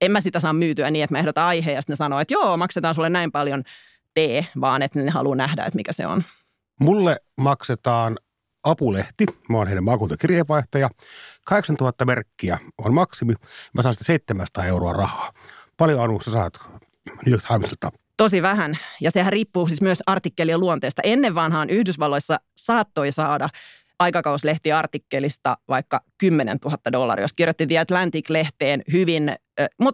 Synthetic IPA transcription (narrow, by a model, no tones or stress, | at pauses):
emmæsit̪æsɑːmmyːt̪yæniːet̪mæehdot̪ɑɑiheːɑst̪nesɑnoːet̪joːmɑkset̪ɑːnsulːenæimpɑljon | t̪eːʋɑːnet̪nenehɑ̰lunæhdæ̰ḛt̪mikæsḛo̰n | mulːe | mɑkset̪ɑːn | ɑpuleht̪imæonheinæmɑːkuːnt̪okirjeːʋɑiht̪ɑjɑkɑheksɑnt̪uhɑt̪ːɑmerkːiæonmɑksimimʔæsɑːnsit̪æseit̪ːemænsɑ̥t̪ɑːeuroɑrɑhɑːpɑljoɑnusesɑ̰ːt̪ | nit̪hɑmsilt̪ːɑ | t̪osiʋæhænjɑsehæriːpːuːsismyøsɑrt̪ikːelieluont̪eːst̪ɑ̰ʔenːeʋʋɑnhɑːnʔyhdysʋɑlːoisːɑ | sɑːt̪ːoisɑːdɑ | ʔɑikɑkɑwsleht̪iɑrt̪ikːelist̪ɑʋɑikːɑkymːenḛnt̪uhɑt̪ːɑdolːɑ̰rḭjoskirjot̪ːit̪iɛt̪lænt̪ikleht̪eːnhyʋinmut̪